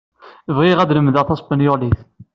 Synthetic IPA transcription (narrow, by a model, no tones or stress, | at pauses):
vʁiʁæd̪ləmðɑʁθɑsˤpənjoʁliθ